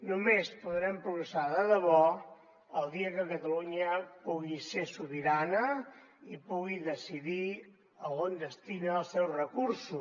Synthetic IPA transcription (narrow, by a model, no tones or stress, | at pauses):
numespuðɾɛmpɾuɣɾəsaðəðəβɔ | əlˠd̪iəkəkət̪əluɲəpuɣisesuβiɾanə | ipuɣiðəsiði | əɣond̪əst̪inəːlˠsɛwzrəkuɾsu